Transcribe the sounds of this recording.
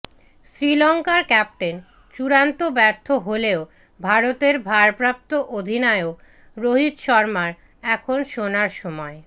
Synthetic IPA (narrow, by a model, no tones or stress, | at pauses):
sɾilɔŋkaɾkɛp̚ʈen | t͡ɕuɾant̪obɛɾt̪ʰoɦoleo | bʱaɾot̪eɾbʱaɾpɾap̚t̪oʔod̪ʱinaeo | ɾoɦit̪ʃɔɾmaɾ | ɛkʰonʃonaɾʃɔmɔe